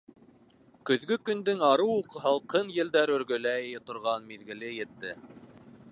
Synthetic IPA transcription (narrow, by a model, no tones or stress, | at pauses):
kɵ̆ðɡɵkɵ̆nd̪ɵŋɑɾɤwuqɤɦɑlˠqɤnjɘ̆ld̪æɾɵ̆ɾɡɵ̆læjɘjɘt̪ŏɾʁɑnmiðɡɘ̆lɘjɘ̆t̪ːɘ